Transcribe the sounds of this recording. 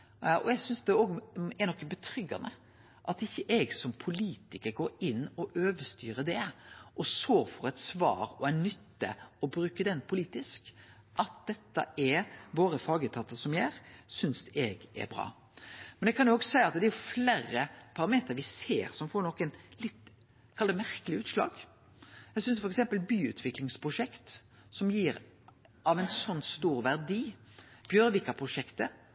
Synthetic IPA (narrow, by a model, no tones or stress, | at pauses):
ʔɔjæɡsʏnsd̪ɛoːɡɛnɔkːbət̪ʰɾʏɡɑ̰nə | ʔɑt̪ɪçːəʔɛɡsɔmpʰʊliːt̪ɪkəɾɡoːɾɪnːɔʔøːʋəst̪yːɾəd̪ɛʔɔsoːɾfɔɾɛɪt̪sʋɑ̰ːɾɔæɪnʏt̪ːə̰ɔbɾʉːkəd̪ɛnːpʰʊliːt̪ɪsk | ʔɑt̪̚d̪ɛt̪ːɑ̰ʔɛʋoːɾəfɑːɡət̪ʰɑt̪ɑsɔmjæɾsʏnsɛɡɛ̰ɾbɾɑ̰ː | mɛnɛkʰɑnjʊoːɡsæɪɑt̪̚d̪ɛɾjʊflæːɾəpʰɑɾɑmeːt̪əɾʋɪsḛːɾsɔmfɔɾɳɔkːɛnlɪt̪ː | kʰɑld̪əmæɾkəlɪʉːt̪ʂlɑ̰ːɡ | jæɡsʏnsfɔɾɛksɛmpəlbyːʉ̰ːt̪ʰʋɪklɪŋspʰʁʊʂɛkt̪ | sɔmjiːɾ | ɑʋɛnsɔnːst̪uːɾʋæʁd̪iːb̥jœɾʋɪkːɑpʰɾʊʂɛkt̪ə